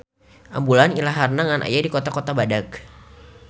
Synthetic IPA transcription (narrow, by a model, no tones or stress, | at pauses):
ʔambulanilaɦarnaŋanʔa̰jadikot̪akot̪abadak